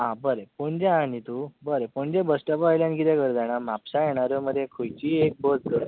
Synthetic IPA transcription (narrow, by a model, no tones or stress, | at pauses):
ãbəɾepoɳd͡ʑẽanit̪ubəɾepoɳd͡ʑẽbəsʈəpajljãnkit̪ɛ̃kəɾd͡z̪aɽ̃amapsajeɽ̃aɾjəməd̪ʱːekʰojt͡ɕiːek̚bəd͡zɡəɾ